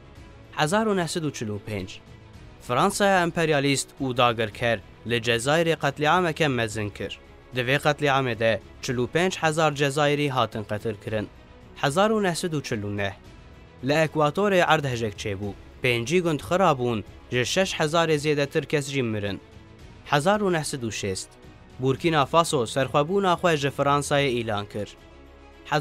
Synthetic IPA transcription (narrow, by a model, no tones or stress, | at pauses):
ħɛzɑːɾunɛhsɛd̪uːt͡ʃʰɨluːpʰeːnd͡ʒ | fɨɾɑːnsɑːjɑːɛmpʰɛɾijɑːlist̪uːd̪ɑːɡɨɾkʰɛɾ | lɨd͡ʒɛzɑːjiɾeːqɛt̪liʕaːmɛkɛmɛzɨnkʰɨ̰ɾ | d̪ɨveːqɛt̪liʕɑːmeːd̪ɛ | t͡ʃʰɨluːpeːnd͡ʒħɛzɑːɾd͡ʒɛzɑːjiɾiːɦɑːt̪ɨnqɛt̪ʰɨɾkʰɨɾɨn | ħɛzɑːɾuːnɛhsɛd̪uːt͡ʃʰɪlːuːnɛh | lɨɛkwɑːt̪oːɾeːʔɑɾd̪hɛʒɛkt͡ʃʰeːbuːpeːnd͡ʒiːɡʊnd̪xɨɾɑːbuːn | ʒɨʃɛʃħɛzɑːɾeːzeːd̪ɛt̪ʰɨɾkʰɛsʒiːmɨɾɨ̰n | ħɛzɑːɾuːnɛhsɛd̪uːʃeːst̪ | buːɾkiːnɑːfɑːsoːsɛɾxʷɛbuːnɑːxʷɛʒɨfɨɾɑːnsɑːjeːiːlɑːnkʰɨɾ